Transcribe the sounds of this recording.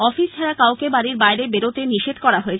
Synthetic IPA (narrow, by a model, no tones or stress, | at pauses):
ɔfist͡ɕʰaɾakawkebaɾiɾbajɾebeɾot̪eniʃed̪ʱkɔɾaɦoet͡ɕʰ